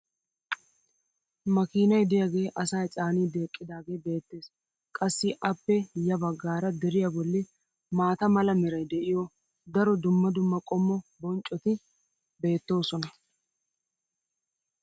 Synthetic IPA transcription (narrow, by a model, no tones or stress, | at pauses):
mɐkiːnɐjd̪ɪjɐɡe̞ːʔɐsaːjt͡sʼaːniːd̪e̞ːkʼːɪd̪aːɡe̞ːbe̞ːt̪ːe̞ːs | kʼɐsːɪʔɐpːɛjɐbɐɡːaːɾɐd̪ɛɾɪjɐbɔlːɪ | maːt̪ɐmɐlɐmɪɾɐjd̪ɛʔɪjɔ | d̪ɐɾɔd̪ʊmːɐd̪ʊmːɐkʼɔmːɔbɔnt͡ʃʼɔt̪ɪ | be̞ːt̪ːo̞ːsɔnɐ